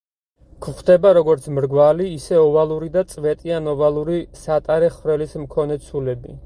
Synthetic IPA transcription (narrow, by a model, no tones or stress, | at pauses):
kʰχd̪ɛbaɾɔɡɔɾt̪sʰmɾɡvaliːsɛɔvalˠuɾid̪at̪sʼvɛt̪ʼianɔvalˠuɾisat̪ʼaɾɛχvɾɛlismkʰɔnɛt̪sʰulɛbi